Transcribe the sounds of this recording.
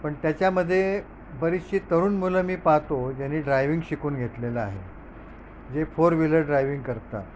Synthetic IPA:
pəɳt̪jat͡ɕjaməd̪ʱːje | bəɾisɕiːt̪əɾuːnmuləmiːpaɦt̪od͡ʑanːiːɖɾajʋiŋɡɕikuːnɡʱet̪leləaɦe | d͡zefoɾʋiləɖɾajʋiŋɡkəɾt̪a̰

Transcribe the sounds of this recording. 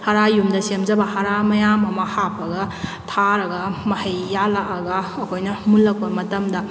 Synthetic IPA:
haɾajumdɐsemzɐbɐhaɾamɐjamɐmɐhapʰɐɡɐ | tʰaɾɐɡɐmɐhɐjːalaʔɐɡɐːkʰojnɐmulːɐk̚pɐmɐtɐmdɐ

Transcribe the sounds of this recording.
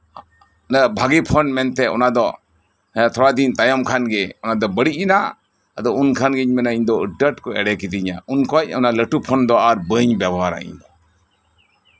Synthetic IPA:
nabʱaɡipʰɔnmɛnt̪ɛɔ̰nad̪ɔ | ajat̪ʰɔɽad̪int̪ajɔmkʰanɡɛɔnad̪ɔbəɽiina | ad̪ɔunkʰanɡɛɲmɛnaiɲd̪ɔɖəʈkɔɛ̰ɽɛkid̪iɲa̰ʔunkɔc̚ɔ̰naləʈupʰɔnd̪ɔaɾbəɲbjabɔɦaɾa̰ʔḭɲd̪ɔ

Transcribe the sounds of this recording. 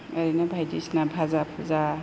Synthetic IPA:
aɾinabʱajdisnabʱazapʰuza

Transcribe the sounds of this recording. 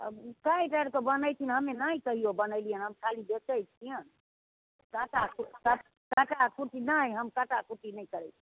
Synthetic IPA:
ə̰bkaĩʈajɾkebənəjt̪ʰinɦəmenaikəɦiobənəjlijənɦəmkʰalibet͡ʃəjt͡ʃʰijən | kaʈakuka | kaʈakuʈinaiɦəmkəʈakuʈinəjkəɾət͡ʃʰi

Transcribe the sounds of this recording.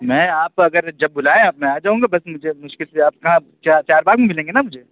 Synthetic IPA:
mɛ̃ːaːpɐɡəɾd͡ʒɐbːʊlaːẽaːpmɛ̃aːd͡ʒaːɦũːŋɡabɐsmʊd͡ʒʱemʊʃkɪlseaːp̚kɐɦã | t͡ʃaːt͡ʃaːɾbaːɡmẽmɪlẽːŋɡenamʊd͡ʒʱe

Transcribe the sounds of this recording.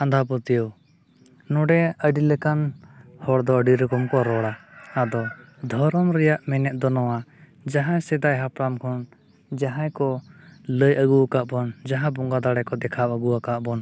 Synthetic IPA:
ãnd̪ʱap̬ɔt̪ijɔw | nɔɖɛəɖiləkanhɔɽd̪ɔəɖiɾɔkɔmkɔɾɔɽaːd̪ɔd̪ʱɔɾɔmɾɛjaʔmɛnɛt̪̚ˀd̪ɔnɔwa | d͡ʒaɦãjsɛd̪ajɦapɾamkʰɔn | d͡ʒaɦãjkɔləjəɡuakaʔbɔnd͡ʒaɦãbɔŋɡad̪aɽɛkɔd̪ɛkʰaʔəɡuwakaʔbɔn

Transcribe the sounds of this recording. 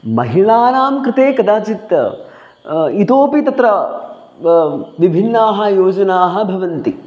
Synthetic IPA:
mɐɦiɭaːnaːmkɾɪt̪eːkɐd̪aːt͡ʃit̪ | it̪oːpit̪ɐt̪ɾɐ | ʋibʱinːaːɦɐ̆joːd͡ʒɐnaːɦɐ̆bʱɐʋɐnt̪i

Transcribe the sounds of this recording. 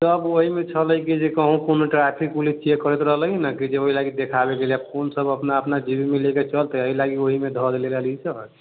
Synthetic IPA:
t̪əboɦimet͡ʃʰələjkid͡ʒekəɦũkonoʈɾapʰikulit͡ʃʰiekəɾɛt̪ɾəɦlənəkid͡ʒeoɦilaɡid̪ekʰabekeliab̚kʰonsəbəpnaəpnad͡ʒibimileket͡ʃəlt̪əəilaɡioɦimed̪ʱɔd̪eleləlit͡ʃʰə

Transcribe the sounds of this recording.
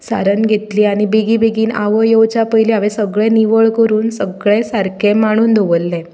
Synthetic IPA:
sa̰ɾənɡʱet̪liːaɽ̃ibiɡibeɡiːna̰ʋəjowt͡ɕapəjliaʋẽsəɡɭẽniʋəɭkəɾuːnsəɡɭẽsaɾkʰẽmaɽ̃uːnd̪ʱoʋəlːẽ

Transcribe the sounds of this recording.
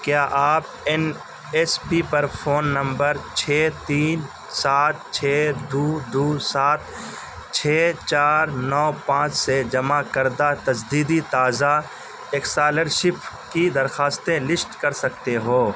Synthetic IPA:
kjaːʔaːp | ɛn | ɛspipɐɾpʰoːnːɐ̃mbəɾt͡ʃʰeːt̪iːn | saːt̪̚t͡ʃʰeːd̪uːd̪uːsaːt̪̚ | t͡ʃʰeːt͡ʃaːɾnɔːpãːt͡ʃsed͡ʒɐmakəɾd̪at̪ɐd͡ʒd̪iːd̪it̪aːza | eːksaːləɾʃɪp | kid̪ɐɾxaːst̪ẽlɪsʈkɐɾsɐk̚t̪eɦoː

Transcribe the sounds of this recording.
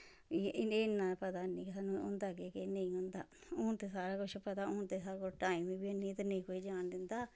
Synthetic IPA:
eːnːãːpət̪aːnĩːkɪsaːnːũːʊ̰nd̪aːkeːkenə̃ĩːɦʊnd̪a̰ːʊːnt̪eːsaːɾaːkʊʃʰpət̪aːʊːnt̪eːsaːɾakʊt͡ʃʈaːiːmiːbiːenːiːt̪enə̃ĩːkoːiːd͡ʒaːnd̪ɪnd̪aː

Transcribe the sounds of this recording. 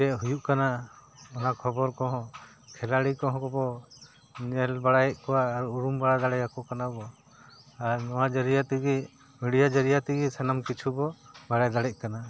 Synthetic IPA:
ɛʔɦujuʔkanaɔnakʰɔbɔɾkɔɦɔ̃ | kʰɛlaɽikɔɦɔ̃kɔbɔ | nɛlbaɽajɛʔ̚kɔwaːɾuuɾumbaɽad̪aɽɛjakɔkanabɔ | aɾnɔwad͡ʒəɾijat̪iɡi | miɽijad͡ʒəɾijat̪iɡisanamkit͡ʃʰubɔbaɽajd̪aɽɛc̚ˀkana

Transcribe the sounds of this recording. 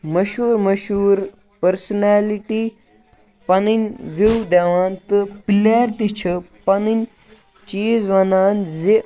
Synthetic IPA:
mɐʃuːɾmɐʃuːɾ | pəɾsnaːliʈi | pɐninʋiwd̪aʋãːnt̪ɨpilaːɾt̪it͡ʃʰɐpɐninʲ | t͡ʃiːzʋɐnaːnze

